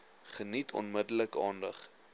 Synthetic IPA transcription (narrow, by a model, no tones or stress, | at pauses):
χənitʰɔ̰nmədələkɑːndəχ